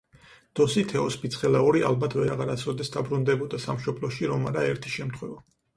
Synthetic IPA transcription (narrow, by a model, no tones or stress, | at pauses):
d̪̥ɔsit̪ʰɛɔspit̪sʰχɛlaɔɾia̰lbat̪ʰvɛɾaʁaɾat̪sʰɔd̪ɛsd̪abɾund̪ɛbɔd̪asamʃɔbʰlˠɔʃiɾɔmaɾaɛɾt̪ʰi̥ʃɛmt̪ʰχwɛva